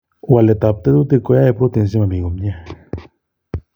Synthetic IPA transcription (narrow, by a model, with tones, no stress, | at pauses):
wa˨le˨t̪ap̚t̪e˦d̪u˦t̪e˧ko˧ja˦epɾo˦t̪e˨ns̬i˦ma˨mi˨ɡo˨mɲe˦